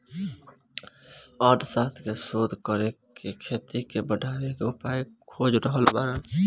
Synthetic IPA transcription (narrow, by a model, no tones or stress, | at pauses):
ɔd̪sat̪ʰkesod̪ʱkəɾekekʰet̪ikebəɖʱawekeʊpaikʰod͡ʒɾəɦəlbaːɾa